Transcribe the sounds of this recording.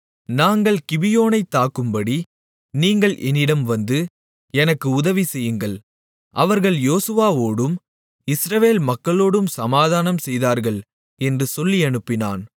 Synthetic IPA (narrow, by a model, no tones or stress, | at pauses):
naːŋɡɐɭkɪʋɪjoːnɐɪt̪ːaːkːɯmbɐɽi | niːŋɡɐɭʔɛnːɪɽɐmʋɐnd̪ɯ | ɛnɐkːɯʊðɐʋisɛjːɯŋɡɐɭ | ʔɐʋɐɾɣɐɭjoːsɯʋaːʋoːɽɯm | ɪsɾɐʋeːlmɐkːɐɭoːɽɯmsɐmaːðaːnɐmsɛjðaːɾɣɐɭ | ɛndrɯsɔlːiɐɳɯpːɪna̰ːn